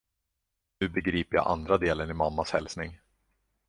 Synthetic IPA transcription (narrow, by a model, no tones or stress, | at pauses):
nʉ̟ːbɛɡɾiːpəɾja̰ʔa̰nd̪ɾad̪eːlənɪmamːashɛlsnɪŋ